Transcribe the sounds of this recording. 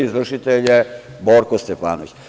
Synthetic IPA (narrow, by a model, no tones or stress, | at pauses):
izʋr̩ʃit̪elje | boɾkost̪efa̰ːno̰ʋḭt͡ɕ